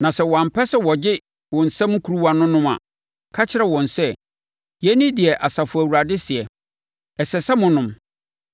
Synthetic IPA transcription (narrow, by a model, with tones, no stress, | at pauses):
nã˨sɛ˦wɔ˨ã˨m̩˨pʰɛ˦sɛ˦wɔ˨d͡ʑɪ˦ | wɔ̃˨n̩˨sɛ̃˦m̃˦kʰu˨ɾu˦wa˨nʊ̃˦nʊ̃˦mã̰˨ | kʰa˦t͡ɕʰɪ˦ɾɛ˨wɔ̃˨nsɛ˦ | jɛ˦nɪ̃˦dɪ˨ɛ˨ʔa˨sa˨fʊ˨æ˨wu˨ɾa˨dɪ˦sɪ˨ɛ˨ | ɛ˨sɛ˨sɛ˦mʊ̃˨nʊ̃˨m